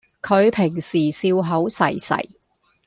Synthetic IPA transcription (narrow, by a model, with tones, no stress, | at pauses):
kʰɵ˨˧ɥpʰɪ˨˩ŋsiː˨˩siː˧wɦo˨˥wsɐ˨˩jsɐ̰˨˩j